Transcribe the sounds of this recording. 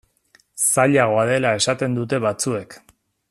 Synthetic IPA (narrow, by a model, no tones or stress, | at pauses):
saʎaɣ̞o̞aðe̞lae̞sat̪e̞nd̪ut̪e̞βat͡sue̞k